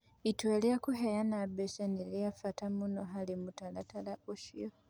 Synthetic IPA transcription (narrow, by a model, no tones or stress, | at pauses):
itweliakuɦejanabeʃanilijafatamunoɦalimutalatalaʔuʃijo